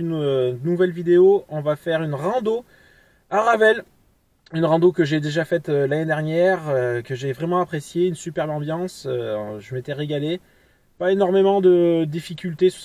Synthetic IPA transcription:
ynønːuvɛlvid̪eoɔ̃vafɛʁynʁɑ̃d̪o | aʁavɛl | ynʁɑ̃d̪okəʒed̪eʒafɛt̪ølaned̪ɛʁnjɛʁkəʒevʁɛmɑ̃apχesjeynsypɛʁbɑ̃bjɑ̃søʒəmet̪ɛʁeɡale | paenɔʁmemɑ̃d̪əd̪ifikʲylt̪ess

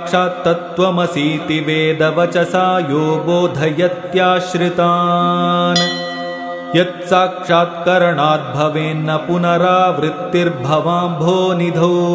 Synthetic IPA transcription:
ʂaːɐt̪ʋɐmɐsiːt̪iʋeːd̪ɐʋɐt͡ʃɐsaːjoːboːd̪ʱɐjɐt̪jaːʃɾɪt̪aː | n | jɐt̪saːkʂaːt̪kɐɾɐɳaːd̪̚bʱɐʋeːnːɐpunɐɾaːʋɾɪt̪ːiɾbʱɐʋaːmbʱoːnid̪ʱɐw

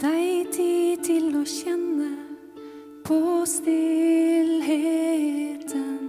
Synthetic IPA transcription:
d̪̥æɪt̪ʰit̪ʰɪloːçɛnːə | pʰost̪ɪlɦe | t̪ʰən

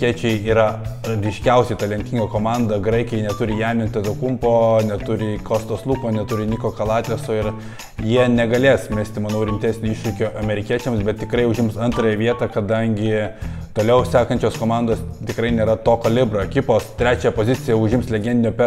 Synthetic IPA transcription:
iɛt͡ʃʲɛɪiːɾɐɾʲɪʃʲkʲɛʊsʲɛɪt̪ɐlʲɛnʲt̪ʲiŋɡɐkoːmɑnd̪ɐɡɾɐɪkʲɪjɛɪnʲɛt̪ʊɾʲɪjæːmʲɪnt̪ʲɛt̪okʊmpoːnʲɛt̪ʊɾʲɪkoːst̪oːslˠuːkoːnʲɛt̪ʊɾʲɪnʲiːkoːkɐlˠɑːt̪ʲeːsoɪɾ | jiɛnʲɛɡɐlʲeːsmʲæːsʲt̪ʲɪmɐnɐʊɾʲɪmʲt̪ʲæːsʲnʲoːɪʃʲɾʲɪkʲoʔɐmʲɛɾʲɪkʲiɛt͡ʃʲɛmsbʲɛt̪̚t̪ʲɪkɾɐɪʊʒʲɪmsɐnt̪ɾɐːjɛʋʲiɛt̪ɑːkɐd̪ɐŋʲɡʲɪt̪oːlʲɛʊsʲæːkɐnʲt͡ʃʲoːskoːmɑnd̪oːst̪ʲɪkɾɐɪnʲeːɾɐt̪oːkɐlʲɪbɾoːɛkʲɪpoːst̪ʲɾʲæːt͡ʃʲɛjɛpoːzʲɪt̪sʲɪjɛʊʒʲɪmslʲɛɡʲɛnd̪ʲɪnʲoːpʲɛ

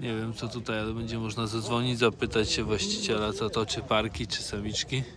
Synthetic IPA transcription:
ɲɛvʲjɛmt̪sɔt̪ut̪ajalɛbɛɲd͡ʑɛmɔʐnadzad̪zvɔɲid͡ʑzapɘt̪at͡ɕɕɛvwaɕt͡ɕi̥t͡ɕɛlat̪sɔt̪ɔt͡ʂɘpaɾkʲit͡ʂɘ̥samʲit͡ʂkʲi

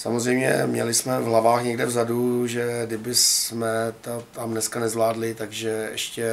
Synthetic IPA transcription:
sa̰mozrɛjmɲɛ̰mɲɛ̰lɪsmɛvɦlavaːxɲɛɡdɛvzaduʒɛdɪbɪsmɛt̪ot̪amnɛskanɛzvlaːdlɪt̪aɡʒɛɛ̰ʃcɛ

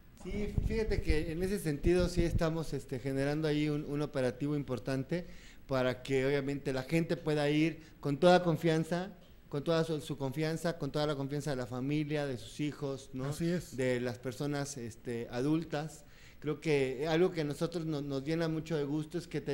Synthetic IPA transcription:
sifixat̪e̞keːne̞se̞se̞nt̪iðo̞sie̞st̪amo̞se̞st̪e̞xe̞ne̞ɾand̪oajiununo̞pe̞ɾat̪iβ̞o̞impo̞ɾt̪ant̪e̞paɾake̞oβ̞jamẽnt̪e̞laxe̞nt̪e̞pwe̞ðaiɾ | ko̞nt̪o̞ðako̞ɱfjansa | ko̞nt̪o̞ðasusuko̞ɱfjansako̞nt̪o̞ðalako̞ɱfjans̬aðe̞lafamiljaðesu̥sixo̞snosiesd̪e̞laspe̞ɾso̞nase̞st̪e̞aðult̪as | kɾe̞oke̞alɣo̞ke̞ano̞so̞t̪ɾo̞znono̞zɣje̞namut͡ʃo̞ðe̞ɣust̪o̞e̞ske̞t̪

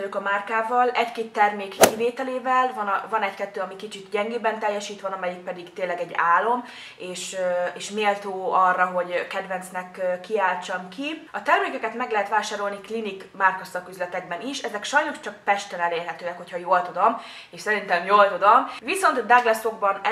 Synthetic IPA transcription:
løːkɒmarkaːvɒlɛckeːt̪ːɛrmeːkːiveːt̪ɛleːvɛlvɒnvɒnɛɟkɛt̪ːøːɒmikit͡ʃit̪ɟɛŋɡeːbɛnt̪ɛjːɛʃiːt̪ʋɒnɒmɛjik̚pɛd̪iɡt̪eːnlɛɡɛɟaːlːo̞m | eːʃeːʃmeːlt̪oːɒrːɒɦo̞ɟkɛd̪ʋɛnt̪snɛkːkːiaːlt͡ʃɒmkiɒt̪ɛrmeːkɛkɛt̪mɛɡlɛɦɛt̪ʋaːʃaːɾo̞lniklinik | markosɒkyzlɛt̪ɛɡbɛniʃɛzɛkʃɒjno̞ʃt͡ʃɒk̚pɛʃt̪ɛnɛleːrɦɛt̪øːɛkho̞cʰhɒjoːlt̪ud̪om | eːʃsɛɾint̪ɛmjoːlt̪ud̪omviso̞nt̪d̪aɡlɛso̞ɡbɒn

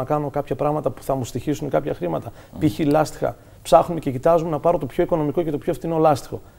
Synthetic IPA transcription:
ɐkɐno̞kɐpçɐpɾɐɣmɐt̪ɐpu̥θɐmust̪içisunkɐpçɐxɾimɐt̪ɐ | piçilɐst̪i̥xɐ̰ | psɐxnumece̞cit̪ɐzumenɐpɐɾo̞t̪opço̞iko̞nomiko̞ce̞t̪o̞pçoft̪ineolɐst̪i̥xo̞̰

